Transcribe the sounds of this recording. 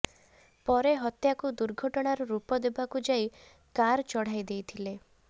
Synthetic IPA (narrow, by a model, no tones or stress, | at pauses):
pɔɾeɦɔt̪jakud̪uɾɡʱɔʈɔɽ̃aɾuɾupɔd̪ebakud͡ʒaj | kaɾt͡ʃɔɽ̤ajd̪ejt̪ʰile